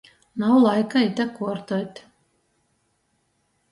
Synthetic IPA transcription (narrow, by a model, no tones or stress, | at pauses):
nawlˠajkait̪ʲakuɔɾt̪ɔt̪ʲ